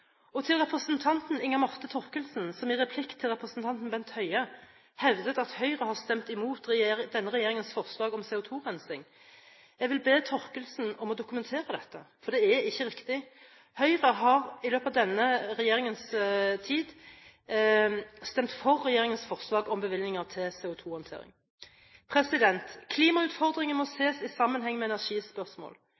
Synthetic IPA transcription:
ɔt̪ʰɪlʁɛpɾəsənt̪ʰɑnt̪nɪŋːɑmɑʁt̪ət̪ʰɔɾkəlsnsɔmɪʁɛpʰlɪkt̪ʰːɪlɾɛpɾəsn̩t̪ʰɑnt̪n̩bɛnt̪hœʏə | hɛʋd̪ət̪ɑt̪hœʏɾəhɑʁst̪ɛmt̪ɪmuːt̪ːd̪ɛnːəɾɛjeːɾɪŋənsfɔʁslɑːɡɔmsɛːʊt̪ʰuːʁɛnsɪŋ | jɛɡʋɪlbeːt̪ʰɔɾkəlsn̩ɔmɔd̪ʊkʉmɛnt̪ʰeːɾəd̪ɛt̪ːəfɔɾd̪ɛæɪçːəɾɪkt̪ɪ | hœʏʁəɦɑʁɪløːpɑʋd̪ɛnːəʁɛjeːʁɪŋənst̪ʰiːd̪ | st̪ɛmt̪fɔʁːɛjeːɾɪŋənsfɔʁslɑːɡɔmbəʋɪlnɪŋɑʁt̪ʰɪlsɛʊt̪ʰuːhɑnt̪ʰḛːɾɪ̰ŋ | pʰɾɛsɪd̪ɛnt̪kʰliːmɑʉːt̪fɔʁd̪ʁɪŋənmɔseːsɪsɑmːənɦɛŋːmɛɛnæʁʂiːspœʁsmo̰ːl

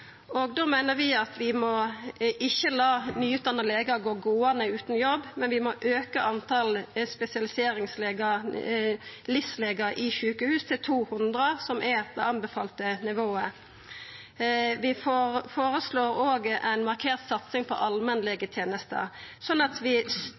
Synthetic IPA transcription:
oɡd̪oːmæɪnəɾʋɪɑt̪ʋɪmɔʔɪçːəlɑːnyːʏt̪ɑnəleːɡəɡoːɡoːɑnəʉːt̪n̩jɔbːmɛnʋɪmɔʔøːkəʔɑnt̪ʰɑlspɛsɪɑlɪseːɾɪŋsleːɡə | lɪfsleːɡəɾɪçʉːkəhʉːst̪ʰɪlt̪ʰuːhʉnd̪ɾəsɔmʔɛd̪ɛ̰ɑnbəfɑ̰ːlt̪ənɪʋoːə | ʋɪffoːɾəsloːɾoːɡəʔæɪnmɑʁkʰeːʁt̪sɑt̪sɪŋpʰɔ̰ʔɑlmɛnlɪɡət̪ʰjeːnəst̪ə̰ɾsɔnːɑt̪ʰʋɪ

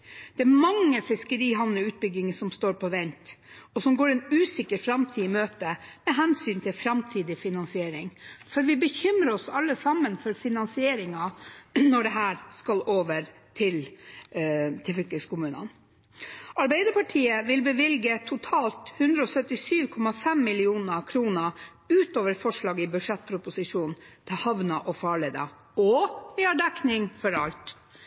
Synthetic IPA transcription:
d̪̥ɛæɾmɑŋːəfɪskəɾiːɦɑʋnəʉːt̪̚bʏɡɪŋəsɔmst̪oːɾpʰɔʋɛnt̪ɔsɔmɡoːɾɛːnʉːsɪkəɾfɾɑmt̪ʰiːmøːt̪əmɛɦɛnsyːnt̪ʰɪlfɾɑmt̪ʰiːd̪ɪfɪnɑnsɪeːɾɪŋfɔɾʋɪbəçʏmɾəɔsɑlːəsɑmːənfɔɾfɪnɑnsɪeːɾɪŋɑnɔɖɛɦæːɾskɑlʔoːʋəɾ | t̪ʰɪl | t̪ʰɪlfʏlk̪lɪskʊmʉːnə̰n | ɑɾbæɪd̪əpʰɑʈʰiːəʋɪlbəʋɪlɡət̪ʰʊt̪ʰɑːlt̪hʉnd̪ɾəɔsœt̪ɪsyːʋkʰɔmɑfɛmːɪlɪuːnəkʰɾuːnə | ʉːt̪oːʋəɾfɔʂɭɑːɡɪbʉʂɛt̪̚pʰɾʊpʊsɪʂuːnnt̪ʰɪhɑʋnɑʔɔfɑːɭeːd̪ɑ̰ | ɔʋɪhɑɖɛknɪŋfɔɾɑlt̪

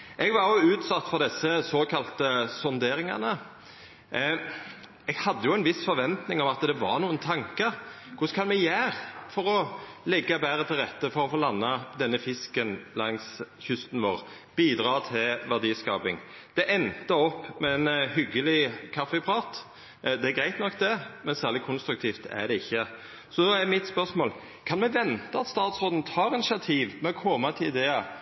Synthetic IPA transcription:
ʔɛɡʋɑɾjʊʉːt̪sɑt̪ːfɔʁd̪ɛsːəsoːkʰɑlt̪əsɔnd̪eːɾɪŋɑ̰nə | ɛɡhɑd̪ːəjʊɛɪnʋɪsfɔɾʋɛnt̪nɪŋɔmɑt̪d̪ɛʋɑ̰ʁnuːənt̪ʰɑŋkə | kʰʊskʰɑnmɛɡjæːʁfɔɾɔlɛɡːɑbæːɾət̪ʰɪlʁɛt̪ːəfɔɾɔfoːlɑnːɑd̪ɛnːəfɪskənlɑŋs | çʏst̪n̩ʋoːʁ | b̥iːd̪ɾɑːt̪ʰɪlʋæʁd̪iːskɑːpɪŋ | d̪̥ɛʔɛnt̪əɔpːmɛɛnhʏɡəlɪkʰɑfːəpʰʁɑːt̪ | d̪ɛæɡɾæɪt̪nɔkːd̪ɛmɛnsæːʁlɪkʰʊnst̪ɾʉk̚t̪ʰiːft̪æ̰d̪ɛɪçːə | sɔd̪oæmɪt̪spœʁsmoːl | kʰɑnmɛʋɛnt̪ɑɑt̪st̪ɑːt̪sʁoːd̪n̩t̪ʰɑːɾɪnɪʃɪɑt̪ʰiːʋmɛɔkʰɔmɑt̪ʰɪɪd̪eːɑ

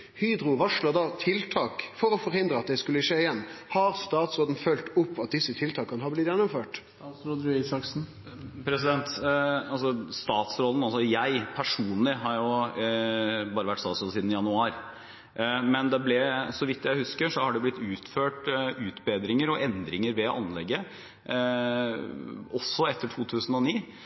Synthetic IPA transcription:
hyːd̪ɾʊʋɑʂɭɑd̪ɑːt̪ʰɪlt̪ʰɑːkfɔɾɔfɔɾhɪnd̪ɾəɑt̪̚d̪ɛskʉlːəʂeːɪjɛnːhɑɾst̪ɑːt̪soːd̪n̩fœlt̪ʊpːɑt̪̚d̪ɪsːət̪ʰɪlt̪ʰɑːkːənhɑːblɪt̪jɛnːɔmføːʈ | ɾɔd̪ɾʉesɑksn̩ | pʰɾɛsɪd̪ɛnt̪ɑlsɔst̪ɑːt̪sɾɔlən̩ɑlsɔjæɪpʰæʂuːnlɪɦɑɾjʊ | bɑːɾəʋæʈːst̪ɑːt̪sɾɔlsiːd̪n̩jɑnʉɑːɾ | mɛnd̪ɛblɛsɔʋɪt̪ːjæɪhʉskəʂɔhɑɖɛblɪt̪ːʉːt̪føːʈʉːt̪beːd̪ɾɪŋəɾɔʔɛnd̪ɾɪŋəɾʋɛʔɑ̰nlɛɡːə | ɔsːɔɛt̪ːəʈʰuːt̪ʰʉːsn̩ɔniː

